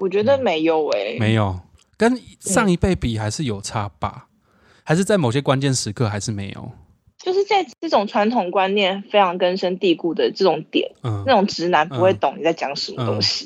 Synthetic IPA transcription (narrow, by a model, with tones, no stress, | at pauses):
wɔ˨˩t͡ɕɥɛ˧˥d̪ə˧˨me˧˥ɪjo˨˩ʊe˧ɪme˧˦ɪjo˨˩ʊ | kə˦nʂɑ˥˩ŋi˧˥pe˥˩ɪpi˨˩xa˧˥ɪʂɻ̩˥˩jo˨˩ʊʈ͡ʂʰa˥pa̰˨˩˦ | ha˧ɪʂɻ̩˥˧t͡sa˥˩ɪmo˨˩ɕ̬jɛ˦˥kwa˦nt͡ɕjɛ˥˨nʂɻ̩˧˥kʰɤ˥˧a˧˥ɪʂɻ̩˥˩me˧˥ɪjo̰˨˩ʊ | t͡ɕjo˥˧ʊʂɻ̩˥˧t͡sa˥˧ɪʈ͡ʂɤ˥˩ʈ͡ʂʊ˨˩ŋʈ͡ʂʰwa˧˥nt̪ʰʊ˨˩ŋkwa˥˦nnjɛ˥˨˩nfe˥ɪʈ͡ʂʰɑ˧˥ŋkə˦nʂə˥nt̪i˥˧ku˥˩d̪ə˩ʈ͡ʂɤ˥˩ʈ͡ʂʊ˨˦ŋt̪jɛ̰˨˩˦nə˥˩na˥˩ʊ˨˩ŋʈ͡ʂɻ̩˧˥na˧˥npu˧˦xwe˥˩ɪt̪ʊ˨˩ŋni˨˩t͡sa˥˩ɪt͡ɕjɑ˧˦ŋʂə˧˦˥mə˧t̪ʊ̰˦ŋɕi̥˨